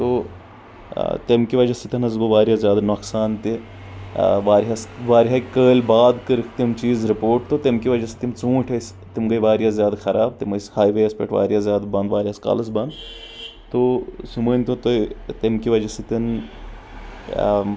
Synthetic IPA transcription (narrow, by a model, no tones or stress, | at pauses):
t̪o | t̪emkiʋɐd͡ʒɐsit̪ʲɐnɐzɡoʋaːɾjaːzʲjaːd̪noksaːnt̪i | ʋaːɾɦɐsʋaːɾɦaːkəːlʲbaːd̪kɨɾikʰt̪imt͡ʃiːzɾipoːʈ̚t̪ot̪emkiʋɐd͡ʒɐst̪imt͡sũːʈʲʰɐs | t̪imɡɐjʋaːɾijazjaːd̪xɐɾaːb̚t̪imɐshaːjʋeɐspʲḛʈʋa̰ːɾjaːzjaːd̪bɐ̃nd̪ʋaːɾʲiɐska̰ːlɐsbɐ̃nd̪ | t̪osuməːnʲt̪ot̪ot̪emkiʋɐd͡ʒɐsit̪ɐn